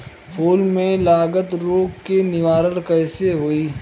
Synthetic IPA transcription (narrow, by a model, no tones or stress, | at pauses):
pʰoːlmẽlaːɡət̪ɾoːɡkenɪʋaːɾəlkəɪseɦoːiː